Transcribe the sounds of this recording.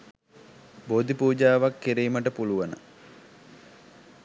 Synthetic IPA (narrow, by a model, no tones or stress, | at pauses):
bod̪ipuːd͡ʒaːʋakːiɾiːməʈəpuluʋanə̰